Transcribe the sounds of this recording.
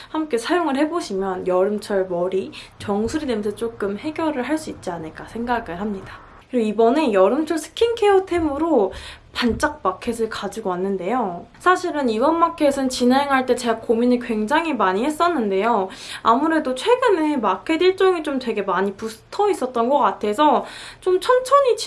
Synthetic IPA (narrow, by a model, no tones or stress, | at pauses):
hamk͈e̞sʰajoŋɯɭhe̞boɕʰimjʌnjʌɾɯmt͡ɕʰʌɭmʌɾit͡ɕʌŋsʰuɾinemsʰʌt͡ɕ͈ok͈ɯmhe̞ɡjʌɾɯɭɦaɭs͈uit̚t͡ɕ͈ianɯɭk͈asʰe̞ŋɡaɡɯɭɦhamɲidḁ | kɾioibʌne̞jʌɾɯmt͡ɕʰʌɭsʰɯ̥kʰinkʰe̞otʰe̞mɯɾopant͡ɕ͈ak̚pakʰe̞s̬ʰɯɭkad͡ʑiɡoanːɯnde̞josʰaɕʰiɾɯnibʌnmakʰe̞sʰɯnt͡ɕinɦe̞ŋɦaɭt͈e̞t͡ɕe̞ɡakominikwe̞ŋd͡ʑaŋɦimaɲihe̞s͈ʌnːɯnde̞joa̰muɾe̞dot͡ɕʰwe̞ɡɯne̞makʰe̞diɭt͡ɕ͈ʌŋit͡ɕomtwe̞ɡe̞maɲipusʰɯ̥tʰʌis͈ʌt̚t͈ʌnɡʌk͈atʰe̞sʰʌt͡ɕomt͡ɕʰʌnt͡ɕʰʌɲit͡ɕ